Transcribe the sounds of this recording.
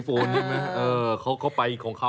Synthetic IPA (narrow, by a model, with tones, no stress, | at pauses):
foː˧nt͡ɕʰa˧˥˩ma˦˥ʔɤː˧kʰa˦˥wkʰa˦˥˩wpa˧jkʰɔː˩˦ŋkʰa˦˥